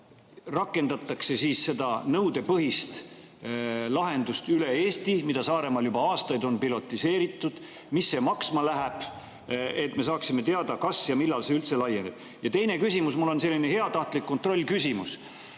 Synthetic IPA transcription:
rɑkːˑe̞nd̪̥ɑt̪ːˑɑkse̞siːsse̞d̪̥ɑnɤwd̪̥e̞pɤɦist̪ | lɑɦe̞nd̪̥ust̪yle̞e̞ːst̪imid̪̥ɑsɑːɾe̞mɑljubɑɑːst̪ɑjd̪o̞npilo̞t̪ːˑise̞ːɾit̪ːˑud̪̥ | misːe̞mɑksmɑlæɦæb̥ | et̪ːˑme̞sɑːksime̞t̪eɑd̪̥ɑkɑsjɑmilːɑlseylt̪se̞lɑjːenib̥̚ | jɑt̪e̞jne̞kysʲimusmulːo̞nse̞lːine̞ɦe̞ɑt̪ɑht̪likːo̞nt̪ro̞lʲːkysʲimus

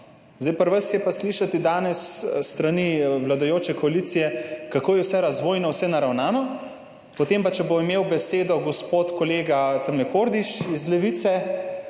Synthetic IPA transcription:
zd̪ajpəɾʋəsjɛpasliʃat̪id̪aːnɛsːt̪ɾaniwlad̪ojoːt͡ʃɛkɔalit̪sijɛkakoːjɛwsɛɾazʋoːjnɔwsɛnaɾawnaːnɔ | pot̪empat͡ʃɛboimeːwbɛseːd̪ɔɡospoːt̪koleːɡat̪əmlɛkoːɾd̪iʃizlɛʋit̪sɛ

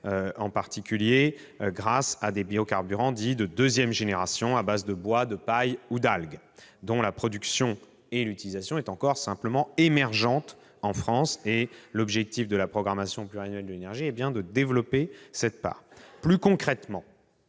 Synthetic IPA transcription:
øɑ̃paʁt̪ikʲylje | ɡʁasad̪ebiokaʁbyʁɑ̃d̪id̪əd̪øzjɛmʒeneʁasjɔ̃abazd̪əbwad̪əpajud̪alɡ | d̪ɔ̃lapχɔd̪yksjɔ̃ | elyt̪ilizasjɔ̃ɛt̪ɑ̃kɔʁsɛ̃pləmɑ̃emɛʁʒɑ̃t̪ | ɑ̃fχɑ̃selɔbʒɛk̚t̪ifd̪əlapχɔɡʁamasjɔ̃plyʁianɥɛld̪əlenɛʁʒiɛbjɛ̃d̪əd̪evlɔpesɛt̪̚pa̰ːʁplykɔ̃kχɛt̪mɑ̃

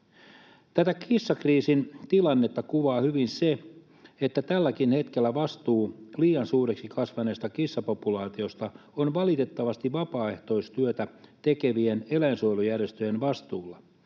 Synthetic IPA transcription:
t̪æt̪ækʰisːɑkriːsint̪ilɑnːe̞t̪ːɑkuʋɑːhyʋinse | et̪ːæt̪ælːækinhe̞t̪k̟elːæʋɑst̪uːliːɑnsuːreksikɑsʋɑneːst̪ɑkisːɑpo̞pulɑːt̪io̞st̪ɑ | onʋɑlit̪e̞t̪ːɑʋɑst̪iʋɑpɑːe̞ht̪o̞ist̪yøt̪æt̪e̞ke̞ʋienelæinsojlujærjest̪øjenʋɑst̪uːlːɑ

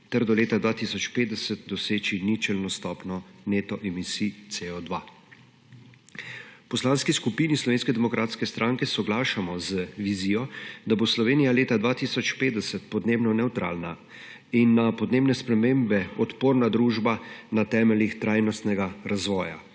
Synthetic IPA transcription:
t̪ɛɾd̪ɔleːt̪ad̪ʋaːt̪isɔt͡ʃpeːd̪d̪ɛsət̪̚d̪ɔseːt͡ʃinit͡ʃɛlnɔst̪ɔːpnɔneːt̪ɔʔɛmisit̪seɔd̪ʋa̰ | pɔslanskiskupiːnislɔʋeːnskɛd̪ɛmɔkɾʔaːt̪skɛst̪ɾʔãŋkɛsɔɡlaːʃamɔzəʋiziːjɔd̪aboslɔʋeːnijaleːt̪ad̪ʋat̪isɔt͡ʃpeːt̪d̪ɛsɛt̪pɔd̪neːbnɔnɛwt̪ɾa̰ːlna | inːapɔd̪neːbnɛspɾɛmeːmbɛɔt̪poːɾnad̪ɾuːʒbanat̪ɛːmɛlixt̪ɾajnɔst̪nɛɡaɾʔazʋɔːja̰

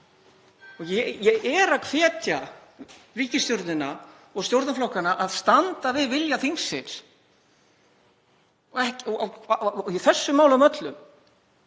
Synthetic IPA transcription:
ɔɣjɛjɛɛɾaðkʰvɛːt̪ja | riːcɪst̪jɔɾt̪ɪnːa | ɔɣst̪jowɾt̪naflɔwhkanaʔaðst̪ant̪avɪðvɪljaθiŋsːɪns | ɔɛhcɔaiθɛsːʏmaːwlamœt̪lʏm

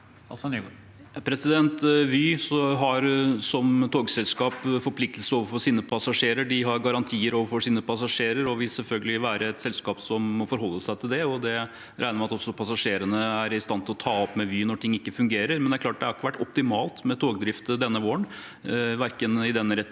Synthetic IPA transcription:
pʰɾɛsɪd̪ɛnt̪ʋyːsɔɦɑɾsɔmt̪ʰoːɡsɛlskɑːpfɔɾpʰlɪk̚t̪əlsəɾoːʋəɾfɔʂiːnəpʰɑsɑʂeːɾəɖɪɦɑɾɡɑɾɑnt̪ʰiːəɾoːʋəɾfɔʂiːnəpʰɑsɑʂeːɾəɾɔʋɪlsɛlfœlɡəlɪʋæːɾəɛt̪sɛlskɑːpsɔmmɔfɔɾɦɔlːəsæɪt̪ʰɪld̪ɛɔd̪ɛ | ɾæɪəmɛɑt̪ɔsːɔpʰɑsɑʂeːɾənəæɾɪst̪ɑnt̪ʰɪlɔt̪ʰɑːɔpːmɛʋyːnɔʈʰɪŋːɪkːəfʉŋɡeːɾəɾmɛnd̪ɛæɾklɑːʈ̚d̪ɛæɾɑɾɪkːəʋæʈːɔp̚t̪ɪmɑːlt̪mɛt̪ʰoːɡ̚d̪ɾɪft̪d̪ɛnːəʋoːəɳ | ʋæɾkənɪd̪ɛnːəɾɛ

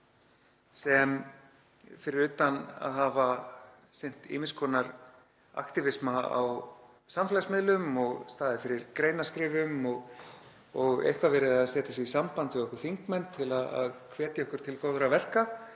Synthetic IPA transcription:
sɛm | fɪɾɪɾʏːt̪ana̰ðɦava | sɪn̥t̪ɪ̰ːmɪskʰɔːnaɾ | a̰kt̪ɪvɪsmaa̰w | samfɛlasmɪðlʏmɔɣst̪aːðɪfɪɾɪɾkɾeːjnaskɾɪːvʏmɔɣ | ɔɣḛjhkvavɪɾɪðaðsɛːt̪asɪvisampant̪ɪɣɔhkʏɾ̥θiŋkmɛnt̪ʰːɪlaða̰ðkʰvɛːt̪jaɔhkʏɾ̥t̪ʰɪlkowðʏɾavɛr̥ka

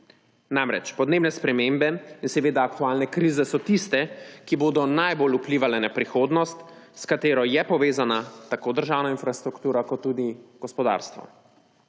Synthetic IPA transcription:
namɾɛ̰t͡ʃpɔd̪neːbnɛspɾɛmeːmbɛinsɛʋeːd̪aːkt̪uaːlnɛkɾiːzɛsɔt̪ist̪ɛkiboːd̪ɔnajbolupliːʋalɛnapɾixoːd̪nɔst̪skat̪eːɾɔjɛpɔʋeːzanat̪akoːd̪əɾʒaːwnainfɾast̪ɾukt̪uːɾakɔt̪ːud̪iɡ̥ɔspɔd̪a̰ɾst̪ʋɔ̰

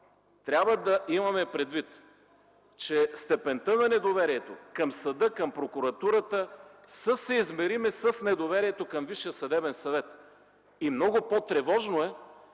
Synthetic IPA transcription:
t̪ɾʲabvəd̪ɐʔimɐmɛpɾɛd̪vit̪ | t͡ʃɛst̪ɛpɛnt̪ənɐnɛd̪ovɛɾiɛt̪okɐmsɐd̪ɤkɐmpɾokʊɾɐt̪uɾət̪əsəsɛizmɛɾimɛsəsnɛd̪ovɛɾiɛt̪okɐmviʃiəsɐd̪ɛbɛnsɐvɛt̪ | imnɔɡʊpot̪ɾɛvɔʒnoɛ

